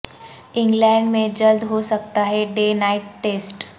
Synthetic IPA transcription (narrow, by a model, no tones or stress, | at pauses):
ɪ̃ŋɡlɛ̃ːɳɖmẽd͡ʒəld̪ɦosɐk̚t̪aɦɛɖeːnaːɪʈːeːsʈ